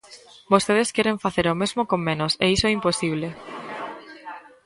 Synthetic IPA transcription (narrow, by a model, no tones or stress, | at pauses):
bost̪eðeskɛɾeɱfaθeɾomezmokoŋːẽnosḛisoɛimposiβle